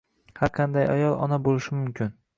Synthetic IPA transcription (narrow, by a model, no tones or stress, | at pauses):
haɾqʰɑnd̪aja̰jɒlˠʔɒ̰nabolˠɪʃɪmʊmkʲʰɪn